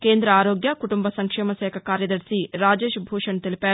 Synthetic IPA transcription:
keːnd̪ɾɐaːɾoːɡjɐkuʈumbɐsɐŋkʂɛːmɐʃɛːkʰɐkaːɾjɐd̪ɐɾsiɾaːd͡ʒe̞ːʃbʱuːʂɐnt̪elipaːɾu

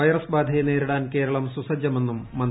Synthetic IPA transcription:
ɐjɐrɐsbaːd̪ʱɐjene̞ːɾiɽaːnke̞ːɾɐɭɐmsusɐd͡ʑjɐme̞nːumːɐn

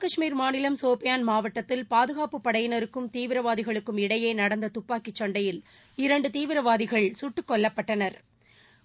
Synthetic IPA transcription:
kɐʂmiːɾmaːnɪlɐmsoːpɪjaːnmaːʋɐʈːɐt̪ːɪlpaːðɯɣaːpɯpːɐɽɐjɪnɐɾɯkːɯmt̪iːʋɪɾɐʋaːðɪɣɐɭɯkːɯmɪɽɐjeːnɐɽɐnd̪ɐt̪ʊpːaːkɪt͡ʃːɐɳɖɐjɪl | ɪɾɐɳɖɯt̪iːʋɪɾɐʋaːðɪɣɐɭsʊʈːɯkːɔɭːɐpːɐʈːɐnɐɾ

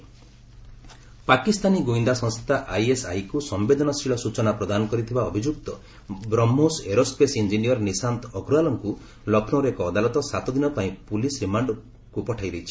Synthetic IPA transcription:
pakist̪aniɡoind̪asɔ̃nst̪ʰi̥t̪aʔajesa̰jkusɔmbed̪ɔnɔst̪ɾiɭɔsut͡ʃɔnapɾɔd̪anɔkɔɾit̪ʰibaɔbʱid͡ʒuk̚t̪ɔ | bɾɔmːoseɾospesind͡ʒinijɔɾnisant̪ʰɔɡɾualɔŋku | lɔkʰnoɾekɔːd̪alɔt̪ɔsat̪ɔd̪inɔpaĩpulisɾimaɳɖ | kupɔʈʰajɾejt͡ʃʰi̥

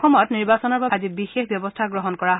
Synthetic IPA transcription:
ɔmɔtniɹbasɔnɔɹbaazibixexbjɔbɔstʰaɡɹɔɦɔnkɔɹaɦ

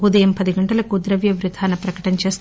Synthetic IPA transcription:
ud̪ɐjɐmpɐd̪iɡɐɳʈɐlɐkud̪ɾɐʋjɐʋɾud̪ʰʱaːnɐpɾɐkɐ̥ʈɐnɐt͡ʃe̞ːst̪

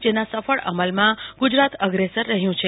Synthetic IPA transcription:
d͡ʒenasəfəɭə̰məlmãɡud͡ʒɾat̪əɡɾesəɾːəɦjũt͡ʃʰe

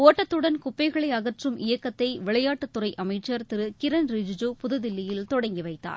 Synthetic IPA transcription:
oːʈːɐt̪ːɯɽɐnkʊpːɐɪɣɐɭɐɪɐɣɐʈrɯmʔɪjɐkːɐt̪ːɐɪʋɪɭɐjaːʈːɯt̪ːʊrɐɪʔɐmɐɪt͡ʃːɐɾt̪ɪɾɯkɪɾɐnɾɪd͡ʒd͡ʒuːpʊðɯðɪlːɪjɪlt̪ɔɽɐŋɡiʋɐɪt̪ːa̰ːɾ

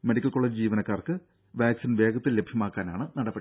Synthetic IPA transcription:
meɽikːɐlko̞ːɭed͡ʑd͡ʑiːʋɐnɐkːaːrkɨ | ʋaːksinʋe̞ːɡɐt̪ːilːebʱjɐmaːkːaːnaːɳɨnɐɽɐbːeɽi

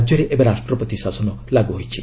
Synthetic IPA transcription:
d͡ʒjɔɾeʔebaɾasʈɾɔpɔt̪isasɔnɔ | laɡuɦojt͡ʃʰḭ

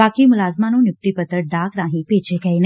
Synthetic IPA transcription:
akimʊlaːzmanũnjʊk̚t̪ipət̪əɖakɾãɦĩpet͡ʃeɡəjn

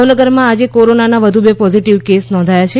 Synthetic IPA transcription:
ʋnəɡəɾmãad͡ʒekoɾonanaʋəd̪ʱubepɔziʈiʋkesnɔ̃nd̪ʱajat͡ʃʰe

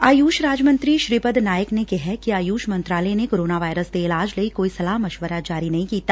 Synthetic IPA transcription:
aːjuːʃɾaːd͡ʒmə̃nt̪ɾiʃɾipəd̪naːjəknekeɦɛkiaːjuːʃmɐ̃nt̪ɾaːlɛnekoːɾoːnaʋaːɪɾəsd̪eːlaːd͡ʒləikoːisɐlaːɦmɐʃʋəɾad͡ʒaːɾinɐɦĩkiːt̪aː

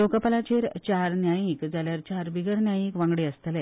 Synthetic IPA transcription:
lokəpalat͡ɕeɾt͡ɕaɾnjajĩkd͡zaljaɾt͡ɕaɾbiɡəɽnjajĩkʋãŋɡɽeəst̪əlɛ

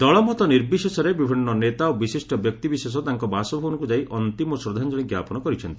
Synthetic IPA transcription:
d̪ɔɭɔmɔt̪ɔniɾbisesɔɾebibʱinːɔnet̪aobisisʈɔbjɔk̚t̪ibises̬ɔt̪aŋkɔbasɔbʱɔɔnɔŋkud͡ʒaiʔʔɔnt̪imɔsɾod̪ʱand͡ʒɔɽiɡja̰pɔnɔkɔɾit͡ʃʰɔnt̪ii

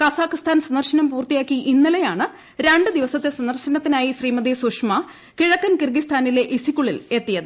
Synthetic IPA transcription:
kɐsaːkːist̪ʰaːnsɐnd̪ɐrɕɐnɐmpuːrt̪ijaːkːiʔinːɐlejaːɳɨ | ɾeɳɖɨd̪iʋɐsɐt̪ːesɐnd̪ɐrɕɐnɐt̪ːinaːjiɕriːmɐd̪esuʂmɐ | kiɻɐkːɐnkirɡist̪ʰaːnile̞ʔisikʲːuɭile̞t̪ːijɐðɨ

